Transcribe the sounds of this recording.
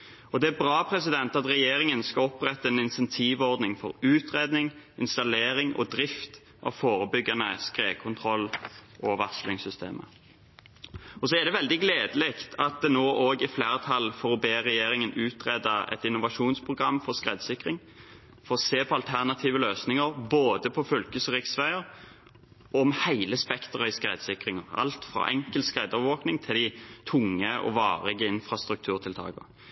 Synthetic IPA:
ɔd̪ɛæbʁɑːpʰɾɛsɪd̪ɛnt̪ɑt̪ʁɛjeːɾɪŋənskɑɔpːʁɛt̪ːəɛnɪnsɛnt̪ʰiːʋɔʁd̪nɪŋfɔ̰ɾʉːt̪ʁeːd̪nɪŋɪnst̪ɑleːɾɪŋɔ̰d̪ɾɪft̪ | ʔɑ̰ʋfoːɾəbʏɡːɑnəskʁeːkʰʊnt̪ʰʁɔlːʔɔʋɑslɪŋsʏst̪ʰḛːmʔə̰ | ɔsɔæd̪ɛʋɛld̪ɪɡleːd̪əlɛkt̪ʰɑt̪̚d̪ɛnoːʔoːɡɪfleːʁət̪ʰɑlfɔʁɔbeːʁɛjeːɾɪŋənʉːt̪ʁɛd̪ɑɛ̰t̪ɪnʊʋɑʂuːnspʰʁʊɡʁɑmːfɔʁskʁeːd̪sɪkʁɪŋ | fɔʁɔseːpʰɔɑlt̪ʰæʁnɑt̪ʰiːʋəløːsnɪŋəʁboːd̪əpʰɔfœlkəsəʁɪksʋæɪəʁ | ɔmhæɪləspɛkt̪ʁəɪskʁeːd̪sɪkʁɪŋəʁɑ̰lt̪fʁɑ̰ʔɛŋkəlt̪skʁeːd̪ɔʋʋoːknɪŋt̪ʰɪlɪt̪ʰʊŋːəʔɔ̰ʋɑ̰ːʁɛɪɡəɪnfʁɑst̪ɾʉk̚t̪ʰʉːʁt̪ʰɪlt̪ʰɑ̰ːɡə̰ʁ

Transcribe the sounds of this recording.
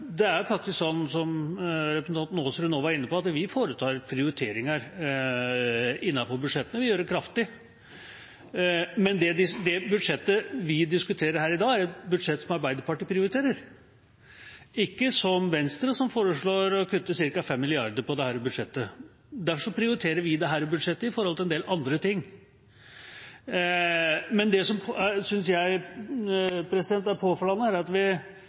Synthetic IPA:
d̪ɛæɾjʊfɾɑk̚t̪ɪsksɔnːsɔmɾɛpɾəsn̩ɑnt̪noːsɾʉnoːʋɑæɾɪnːəpɔɑt̪ʋɪfoːɾət̪ʰɑːɾpʰɾɪʊɾɪt̪ʰeːɾɪŋəɾ | ɪnːɑfɔɾbʉd̪ʂɛt̪ːənəʋɪjøːɾəkʰɾɑft̪ɪ | mɛnd̪ɛd̪ɪsd̪ɛbʉd̪ʂɛt̪ːəʋɪd̪ɪskʉt̪ʰeːɾəɾɦæːɾɪd̪ɑːæɾɛt̪bʉd̪ʂɛt̪ːsɔmɑɾbæɪd̪əɾpɑʈəpʰɾɪʊɾɪt̪ʰeːɾəɾ | ɪkːəsɔmʋɛnst̪ɾəsɔmfoːɾəʂɭoːɾɔkʰʉt̪ːəsɪɾkɑfɛmːɪlɪɑɾd̪əɾpɔd̪ɛhæːɾɔbʉd̪ʂɛt̪ːə | d̪æfʂɔpʰɾɪʊɾɪt̪ʰeːɾəɾʋɪd̪ɛɦæːɾɔbʉd̪ʂɛt̪ːəɪfɔɾɔlt̪ʰɪɛnd̪eːlʔɑnd̪ɾət̪ɪŋː | mɛnd̪ɛsɔmʰsʏnsjæɪ | pʰɾɛsɪd̪ɛnt̪ːæɾpʰoːfɔlɑnːəhæɾɑt̪ʋɪ

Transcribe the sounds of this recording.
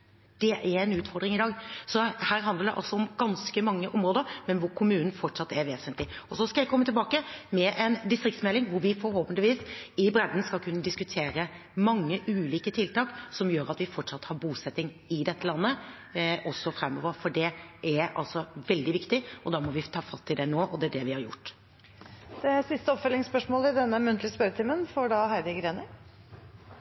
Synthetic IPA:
d̪̥ɛʔæɾɛnʉːt̪fɔɾɖ̪ɾɪŋɪd̪ɑːɡsɔhæːɾɦɑnd̪əɖ̪ɛ̰ʔɑ̰lsɔɔmɡ̥ɑnskəmɑŋːəʔɔmɾoːd̪əɾmɛnʋʊɾkʰʊmʉːnn̩fɔʈʂɑt̪ːæɾʋeːsənt̪lɪɔsɔskɑjæɪkʰɔmːət̪ɪlbɑːkəmɛʔɛnd̪ɪst̪ɾɪkt̪smɛlɪŋʋʊɾʋɪfɔɾhoːpənd̪ɪʋiːsɪbɾɛd̪n̩skɑlkʰʉnːəd̪ɪskʉt̪ʰeːɾə | mɑŋːəʔʉːliːkət̪ʰɪlt̪ɑːksɔmjøːɾɑt̪ʋɪfɔʈʂɑt̪ːhɑɾbuːsɛt̪ːɪŋ | ɪd̪ɛt̪ːəlɑnːə | ʔɔsːɔfɾɛmːɔʋəɾfɔɖɛʔæɾɑ̰lsɔʋɛld̪ɪʋɪkt̪ɪʔɔd̪ɑːmɔʋɪt̪ʰɑːfɑt̪ʰːɪld̪ɛnoːʔɔd̪ɛæɖɛʋɪhɑɾjʊ̰ʈː | d̪̥ɛsɪst̪əɔpfœlɪŋspœʂmoːləɪd̪ɛnːəmʉnt̪ʰlɪspœɾət̪ʰiːmənfɔɖɑhæɾd̪ɪɡɾeːnə

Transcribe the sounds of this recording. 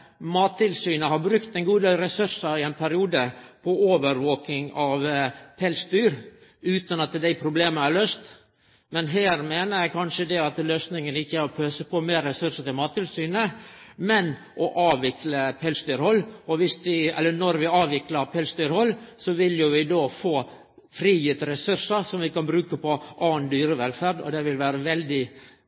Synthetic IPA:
mɑːt̪ʰːɪlsyːnəhɑɾbɾʉkt̪ɛŋɡuːd̪eːlɾɛsʉɾʂəɾɪɛɪnpʰæɾɪuːd̪əpʰɔoːʋəɾʋoːkɪŋɑʋpʰɛlsd̪yːɾʉːt̪ɑnɑt̪d̪æɪpʰɾʊbleːməæɾɭøːst̪ | mɛnɦæːɾmeːnəɾjæɪkʰɑnʂəd̪ɛɑt̪løːsnɪŋənɪçːəæɾɔpʰøːsəpʰɔmeːɾːɛsʉʂət̪ɪlmɑːt̪ʰːɪlsyːnəmɛn | ʔɔʔɑːʋɪkləpʰɛːlsd̪yːɾhɔlːɔʋɪsʋɪɛ̰lːənɔɾʋɪɑːʋɪkləɾpʰɛlsd̪yːɾhɔlːsɔʋɪljʊʋɪd̪oːfoː | fɾiːjɪt̪ɾɛsʉɾʂəsɔmʋɪkɑnbɾʉːkəpɔʔɑːnd̪yːɾəʋɛlfæɾɖɔ̰d̪ɛʋɪlʋæːɾəʋɛld̪ɪ

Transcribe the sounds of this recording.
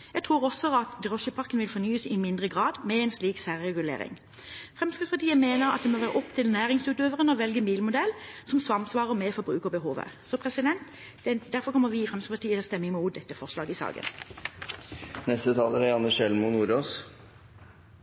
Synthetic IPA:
jæɡt̪ʰʁuːʁɔsɔɑt̪d̪ʁɔʃəpʰɑʁkənʋɪlfɔnyːəsɪmɪnd̪ʁəɡʁɑːd̪mɛɛnsliːksæːʁʁɛɡʉlḛːʁɪ̰ŋ | fʁɛmskəspɑʁʈ̪iːəmeːnəʁɑ̰t̪̚d̪ɛmoːʋæːʁəʔɔpt̪ʰɪlnæːɾɪŋsʉːt̪øːʋəʁənəɔʋɛlɡəmiːlmʊd̪ɛlsɔmsʋɑmsʋɑːʁəʁmɛfɔbʁʉːkəʁbəɦuːʋə̰sɔpʰʁɛsɪd̪ɛnt̪ | d̪̥ɛd̪æɾfɔɾkʰɔmːəɾʋɪːfʁɛmst̪əspʰɑt̪ʰiːət̪ʰɛlst̪ɛmːəɪmuːt̪̚d̪ɛt̪ːəfɔʁslɑːɡɪsɑ̰ːɡə̰n | nɛst̪ət̪ʰɑːləɾæɑnːəʃɛlmʊnuːɾoːs

